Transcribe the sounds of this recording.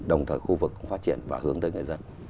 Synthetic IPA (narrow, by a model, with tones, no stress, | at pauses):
ɗə˨˩wŋ͡mt̪ʰəː˨˩jxu˧vɨ˨˩k̚ːŋ͡mfaː˦˥t̚t͡ɕi˧˩ənvaː˨˩hɨ˨˦əŋt̪əː˨˦jŋɨ˨˩jzə˧n